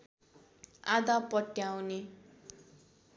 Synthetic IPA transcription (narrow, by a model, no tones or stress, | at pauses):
ad̪apʌʈjawne